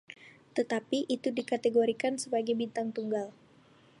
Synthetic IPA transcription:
t̪ət̪apiʔit̪udikat̪eɡoɾikansəbaɡajbint̪aŋt̪uŋɡal

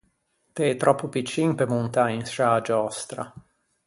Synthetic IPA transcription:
t̪et̪ɾʔɔpːupit͡ʃːiŋpemunt̪ainsad͡ʒɔst̪ɾa̰

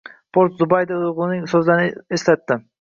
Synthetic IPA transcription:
pʰoɾt̪zʊbajd̪aʁlˠnɪŋsɵzlaɾneslat̪ːɪ

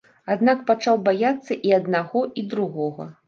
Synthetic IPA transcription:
ad̪nak̚pat͡ʂawbajat̪sːɐʔiɐd̪naɣɔʔid̪ɾuɣɔɣɐ̰

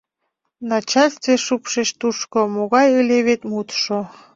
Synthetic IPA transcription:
nɑt͡ɕɑlʲst̪veʃupʃeʃt̪uʃkomoɣɑjəlʲeβet̪mut̪ʃo

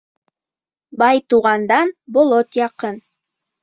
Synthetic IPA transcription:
bɑjt̪uʁɑnd̪ɑnbolˠot̪jɑqɤn

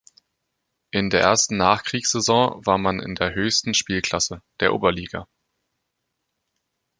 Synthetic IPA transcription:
ʔɪndeːɐʔḛːɐstn̩naːχkʁ̥iːksz̥ezɔ̃ːvaːɐmanɪ̰ndeːɐɦøːçstn̩ʃpiːlkʰl̥asəd̥eːɐʔo̰ːbɐliːɡa̰

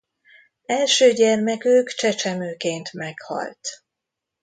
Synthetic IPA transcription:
ɛlʃøːɟɛrmɛkøːkt͡ʃɛt͡ʃɛmøːkeːnt̪mɛkhɒ̰lt̪

